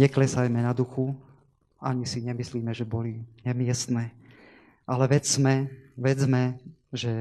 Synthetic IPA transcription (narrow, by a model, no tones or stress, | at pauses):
ɲɛklɛsajmɛnad̪uxu | aɲisiɲɛmisliːmɛʒɛbɔliɲɛmɪɛst̪nɛː | ʔalɛʋɛd͡zmɛʋɛd͡zmɛ | ʒɛ